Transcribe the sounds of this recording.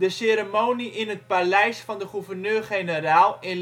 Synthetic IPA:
dəseɾəmowniʔɪnət̚palɛjsfɑndəχuvərnøːrχejnəraːlˠɪ

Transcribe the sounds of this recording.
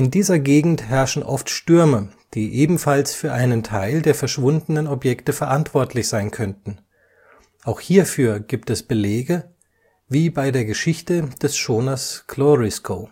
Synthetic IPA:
ʔɪndiːzɐɡeːɡŋ̩thɛɐʃn̩ʔɔftʃtʏɐməd̥iːʔeːbm̩falsfyːɐʔaɪnəntʰaɪldeːɐfɛɐʃv̥ʊndnənɔpjɛktəfɛɐʔantv̥ɔɐtʰlɪçz̥aɪnkʰœntn̩ | ʔaʊxhiːɐfyːɐɡiːp̚tɛsb̥əleːɡə | viːbaɪdeːɐɡəʃɪçtəd̥ɛsʃoːnɐskʰloʁɛskʰoː

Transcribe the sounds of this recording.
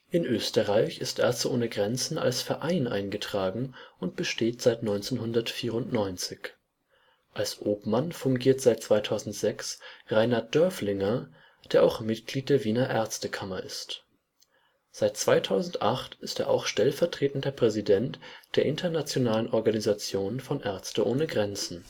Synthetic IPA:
ʔɪnʔøːstəʁaɪçɪstʔɛɐstʔoːnəɡʁɛnt͡sn̩ʔa̰lsfɛɐʔaɪnʔa̰ɪnɡətʁ̥aːɡŋ̩ʔʊnt̚b̥əʃteːtz̥aɪtnɔʏnt͡senhʊndɐtfiːʁʊntnɔʏnt͡sɪç | ʔalsʔoːpmanfʊŋɡiːɐtz̥aɪt̚t͡sv̥aɪtʰaʊzn̩tz̥ɛksʁaɪnat̚d̥œɐflɪŋɐ | d̥eːɐʔa̰ʊxmɪtɡ̥liːt̚d̥eːɐviːnɐʔɛɐt͡stəkʰamɐʔɪst | z̥aɪt̚t͡sv̥aɪtʰaʊzn̩tʔa̰χtɪsteːɐʔa̰ʊxʃtɛlfɛɐtʁ̥eːtn̩dəpʁ̥ɛzidɛntd̥eːɐʔɪntʰɐnat͡sjonaːlənʔɔɐɡanizat͡sjoːnfɔnʔɛɐt͡stəʔoːnəɡʁɛnt͡sn̩

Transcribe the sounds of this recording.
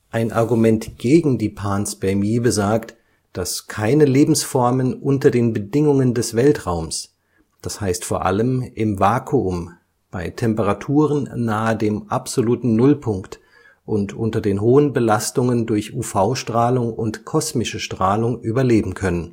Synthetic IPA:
ʔaɪnʔa̰ɐɡumɛntɡ̥eːɡŋ̩diːpʰaːnsb̥ɛɐmiːbəzaːkt | d̥askʰaɪnəleːbm̩sfɔɐmənʔʊntɐdeːnbədɪŋʊŋəndɛsv̥ɛltʁ̥aʊms | d̥ashaɪstfoːɐʔa̰ləmʔɪmvaːkʰuʊm | b̥aɪtʰɛmpəʁ̞atʰuːʁ̞ənːaːədeːmʔapz̥oluːtn̩nʊlpʰʊŋkt | ʔʊntʔʊntɐdeːnɦoːənbəlastʊŋəndʊɐçʔuːfaʊʃtʁ̥aːlʊŋʊntkʰɔsmɪʃəʃtʁ̥aːlʊŋʔyːbɐleːbm̩kʰœnən

